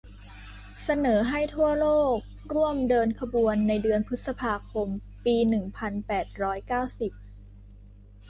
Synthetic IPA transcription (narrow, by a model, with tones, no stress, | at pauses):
sa˧nɤː˩˦ɦa˥˩jt̪ʰu˥˩ɐloː˥˩k̚ | ɾu˥˩əmdɤː˧nkʰa˧bu˧ənːa˧jdɯ˧ənpʰɯ˦˥t̪̚sa˧pʰaː˧kʰo˧m | piː˧nɯ˨˩ŋpʰa˧npɛː˨˩t̪̚ɾɔː˦˥jkaː˥˩wsi˨˩p̚